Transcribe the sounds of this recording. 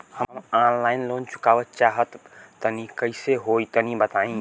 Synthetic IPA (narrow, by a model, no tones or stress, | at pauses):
həanlainlont͡ʃu̥kabətt͡ʃaɦət̪ːənikəɪseɦoit̪ənibət̪aĩ